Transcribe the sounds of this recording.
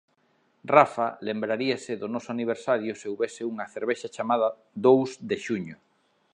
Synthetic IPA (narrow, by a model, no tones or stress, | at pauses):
rafalembɾaɾiasɪðʊnɔsʊaniβ̞eɾsaɾjʊseuβɛsɪuŋɐθeɾβeʃat͡ʃamaðɐ | d̪owzd̪eʃuɲʊ